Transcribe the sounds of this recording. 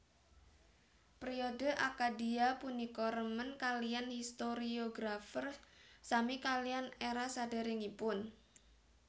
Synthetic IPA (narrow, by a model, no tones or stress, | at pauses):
pɾiodə̤ʔakadiapunikɔɾəmənkalijanhist̪oɾioɡɾafərsamikalijaneɾasada̤ɾɪŋipʊn